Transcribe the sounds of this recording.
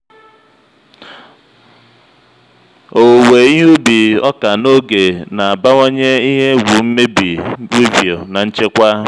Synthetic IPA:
o˨we˨˦u˦bi˨ɔ˦ka˨no˦ɡe˨na˨a˨ba˦wo˦ɲe˦i˦ɦe˦ɡʷu˨m̩˦me˦bi˨wi˦vjo˨na˨n̩˦t͡ʃe˦kʷa˦

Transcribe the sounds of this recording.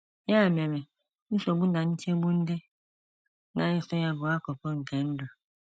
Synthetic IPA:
ja˦˨mĩ˨ã˨mɛ˨ | nu˦sɔ˨bu˦da˨nĩ˦t͡ʃe˦bu˦n̩˦de˦ | nã˨˦i˦sɔ˦ja˨bʊ˨a˦kɔ˨pɔ˦ŋ̩˨kɛ˨˦n̩˦dɔ˨

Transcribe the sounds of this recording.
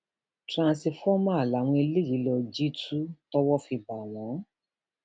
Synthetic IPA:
tɾã˧si˧fɔ˦mã˦˨la˨˦w̃ɔ̃˧e˧le˦˨ji˨˦lɔ˧d͡ʒi˦tʰu˦tɔ˦wɔ˦fi˧ba˨nã˨˦

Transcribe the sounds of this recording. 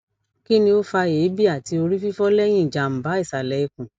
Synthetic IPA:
ki˦nĩ˧o˦fa˧je˨˦bi˦a˦˨ti˧o˧ɾi˦fi˦fɔ˦lɛ˦j̃ĩ˦˨d͡ʒa˨m̩˨ba˨˦i˦˨sa˨lɛ˨i˧kũ˨

